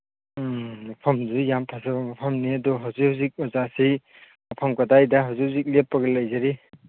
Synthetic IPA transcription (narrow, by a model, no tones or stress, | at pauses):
mapʰɐmzujamtʰasabamapʰɐmniadɔɦawzikhawzik̚mɔzasi | mapʰamkadajdaɦawzikhwzik̚lepːaɡɐlajzaɾi